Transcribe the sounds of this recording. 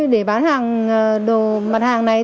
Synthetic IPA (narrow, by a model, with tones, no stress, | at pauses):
ɗe˧˩ɓaː˨˦nhaː˨˩ŋː˨˩ | ɗo˨˩ | ma˨˩t̚haː˨˩ŋna˨˩j